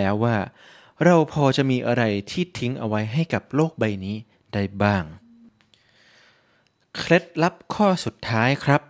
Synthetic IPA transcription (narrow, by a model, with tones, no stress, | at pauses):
ɛː˦˥wːaː˥˩ | ɾa˧wpʰɔː˧t͡ɕa˨˩ʔmiː˧ʔa˧ɾa˧jt̪ʰiː˥˩t̪ʰi˦˥ŋʔa˧wa˦˥jɦa˥˩jka˨˩p̚loː˥˩k̚ba˧jniː˦˥ | da˥˩jbaː˥˩ŋ | kʰle˦˥t̪̚la˦˥p̚kʰɔː˥˩su˨˩t̪ʰːaː˦˥jkʰɾa˦˥p̚